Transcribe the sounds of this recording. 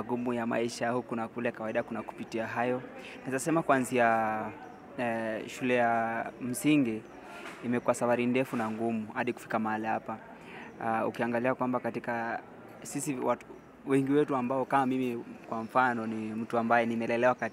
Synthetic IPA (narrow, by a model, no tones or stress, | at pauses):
ɡumujama̰iʃahukunakulɛjakawaiɗakunaku̥pitiaɦajɔ | naizasɛmakuanzia | ʃulɛjam̩siŋɡiː | mɛkuwasafaɾindɛfunaŋɡumuhaɗiku̥fi̥kamaalihapa | ṵkiaŋɡaliakwambakatika | sisiwa | wɛŋɡiwɛtuambaɔkamamimikwaɱ̩fanɔnim̩tuambajɛnimɛlɛlɛwaka